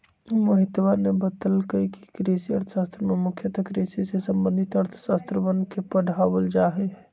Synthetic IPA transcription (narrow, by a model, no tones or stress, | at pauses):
məɦɪt̪ʋanebət̪əlkəiki̥kɾesiəɾt̪ʰə̥ʃaːst̪ɾəmẽmʊkʰjət̪əkɾesisesə̃mbə̃nd̪ʱit̪əɾt̪ʰə̥ʃaːst̪ɾəʋənkepəɽ̤ʱaʋəld͡ʒaɦe